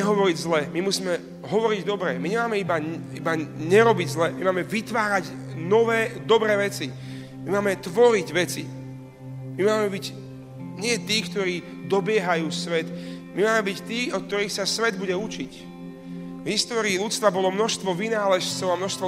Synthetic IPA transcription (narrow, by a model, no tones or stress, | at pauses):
ɛɦɔʋɔɾiɟzlɛːmimusiːmɛ | ɦɔʋɔɾiɟd̪ɔbɾɛːmiɲɛmaːmɛiba | ibaɲɛɾɔbiɟzlɛːmimaːmɛʋit̪ʋaːɾaɟ | nɔʋɛːd̪ɔbɾɛːʋɛt͡si | mimaːmɛt̪ʋɔɾiɟʋɛt͡si | mimaːmɛbiɟ | ɲɪɛt̪iːkt̪ɔɾiː | d̪ɔbɪɛɦajuːsʋɛt̪mimaːmɛbict̪iːɔt̪̚t̪ɔɾiːxsasʋɛd̪buɟɛut͡ʃic | vɦist̪ɔːɾiːlut͡st̪ʋabɔlɔmnɔʃst̪ʋɔʋinaːlɛʃt͡sɔʊamnɔʃst̪ʋɔ